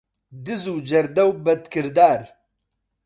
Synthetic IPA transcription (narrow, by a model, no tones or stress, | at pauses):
d̪ɨzuːd͡ʒɐɾd̪ɐwbɐt̪kɨɾd̪aːɾ